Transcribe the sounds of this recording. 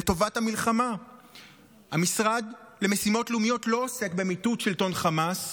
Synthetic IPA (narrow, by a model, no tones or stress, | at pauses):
eto̞vathamilχama | hamisʁad̪le̞mesimo̞tlumijo̞tlo̞ːse̞kbe̞mitutʃelto̞nχamas